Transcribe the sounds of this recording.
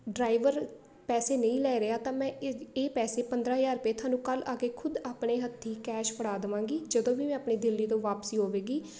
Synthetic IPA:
ɖɾaːɪʋəɾ | pɛːseːnəĩːlɛːɾeaːt̪ãːmɛ̃ːeːpɛːseːpənd̪ɾaːɦjaːɾpeːt̪ʰʊaːnũːkəlaːɡeːkʰʊd̪aːpɳeːɦət̪ʰːiːkɛːʃpəɽaːd̪ɪʋãːŋɡiːd͡ʒəd̪õːʋiːmɛ̃ːaːpɳiːd̪ɪlːiːt̪̬õːʋaːpsiːɦoːʋeːɡiː

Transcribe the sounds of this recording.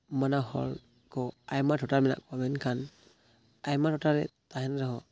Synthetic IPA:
manahɔ̰l | kʰɔajmatʰɔtalmina̰kamenkʰan | ajmatʰɔtalɾɛ̰taɦɛnɾaɦɔ

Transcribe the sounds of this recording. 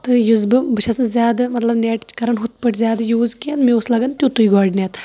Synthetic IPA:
t̪ɨjuzbɨbɨʃɐsnɨzʲjaːd̪mɐt̪lɐbnʲeːʈt͡ʃkɐɾɐnɦut̪̚pɐʈʲzʲjaːd̪juːzkʲet̪meuslɐɡɐnd̪t̪ʲut̪uiɡɔːɖnʲet̪

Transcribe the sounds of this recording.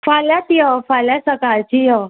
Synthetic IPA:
faljat̪iəfaljasəkaɭt͡ɕijə

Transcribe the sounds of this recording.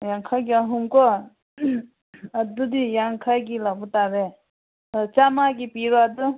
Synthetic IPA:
jaŋkʰaɡaɦumko | ad̪ud̪ijaŋkʰakilaput̪abɛ | t͡ɕamakipirwad̪u

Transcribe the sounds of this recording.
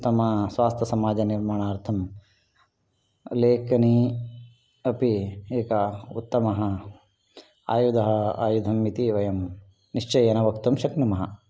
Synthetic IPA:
t̪ːɐmɐsʋaːst̪ʰɐsɐmaːd͡ʒɐniɾmaːɳaːɾt̪ʰɐm | leːkɐni | ɐpieːkɐṵt̪ːɐmɐɦɐ | a̰ːjud̪ʱɐɦɐa̰ːjud̪ʱɐmːit̪iʋɐjɐm | niʂt͡ʃɐjɐnɐʋɐkt̪umʃɐknɐmɐɦɐ̰

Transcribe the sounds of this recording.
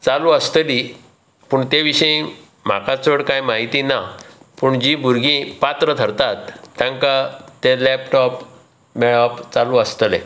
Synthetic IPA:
t͡salũəst̪əli | puːɳt̪eʋiɕəĩ | m̤a̰kat͡səɽkajmaɦit̪inapuɳd͡ʑibuɾɡĩpat̪ɾət̪ʰəɾt̪at̪ːjãŋkat̪elɛp̚ʈɔp | mɛɭɔpt͡salũəst̪əlḛ

